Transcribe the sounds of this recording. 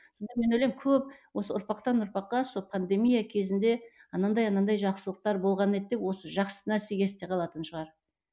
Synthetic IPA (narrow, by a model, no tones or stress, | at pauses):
so̞nd̪ɑme̞nojlʲemkʲʰɵp̚wosəʊɾpɑqt̪ɑnʊɾpɑqːɑsolˠpʰand̪e̞mijakʲʰe̞zɪnd̪e̞ɑnɑnd̪ɑjɑnɑnd̪ɑjʒɑqsəlˠəq̚t̪ɑɾbo̞lˠʁɑne̞t̪̚d̪e̞pwo̞səʒɑqsənæɾse̞ɡʲe̞st̪e̞qʰɑlˠɑt̪ənʃəʁɑɾ